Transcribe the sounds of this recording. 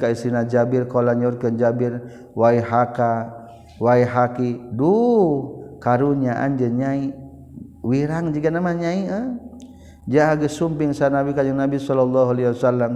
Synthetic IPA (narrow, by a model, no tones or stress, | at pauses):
kaisinad͡ʒabɪrkolaɲɔrkənd͡ʒabɪr | waiɦaka | waiɦakidu | kaɾuɲaʔa̰nd͡ʒəɲai | wiɾaŋd͡ʒiɡanamaɲaiə | d͡ʒaaɡəsumpɪŋsanabikad͡ʒəŋnabisɔlɔlːɔɦualewasalːam